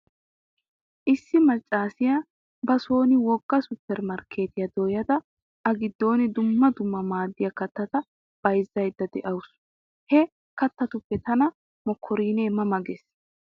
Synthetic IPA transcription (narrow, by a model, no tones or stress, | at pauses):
ʔɪsːɪmɐt͡ʃʼːaːsɪjɐ | bɐso̞ːnɪwɔɡːɐsʊtːɛɾmɐɾkʰːe̞ːt̪ɪjɐd̪ɔjɐd̪ɐ | ʔɐɡɪd̪ːo̞ːnɪd̪ʊmːɐd̪ʊmːɐmaːd̪ːɪjɐkɐt̪ːɐt̪ɐ | b̥ɐjzːɐjd̪ːɐd̪ɛ̰ʔɐwʊs | hɛ | kɐt̪ːɐt̪ʊpːɛt̪ɐnɐ | mɔkʰːɔɾiːneːmɐmɐɡɛs